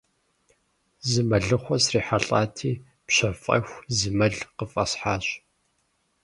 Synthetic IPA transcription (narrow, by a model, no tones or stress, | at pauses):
zɨmɐɮɨχʷɔsriːħaɬʼaːtʰiː | pɕɐfʼɐ̰xʷzɨmɐɮqəfʼɐsħaːɕ